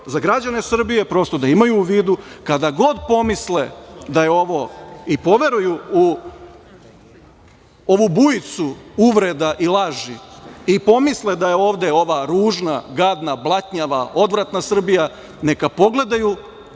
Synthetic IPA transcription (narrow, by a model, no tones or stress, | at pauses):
zaɡɾad͡ʑane̞sr̩bije̞pɾo̞st̪o̞d̪aimajuːʋiːd̪ukad̪aɡo̞d̪po̞misled̪ajeo̞ʋo̞ipo̞ʋe̞ɾujuu | o̞ʋubujit̪suuʋɾe̞d̪aʔilˠaʒiipo̞misled̪aje̞o̞ːʋd̪e̞o̞ʋaɾuːʒnaɡad̪nablˠat̪ɲaʋa̰o̞d̪ʋɾat̪nasr̩bija | ne̞kapo̞ɡle̞d̪aju